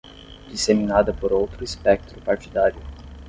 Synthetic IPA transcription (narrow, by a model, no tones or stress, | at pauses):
d̪iseminad̪əpoɾowt̪ɾuispɛk̚t̪ɾupaɾt̪id̪aɾiu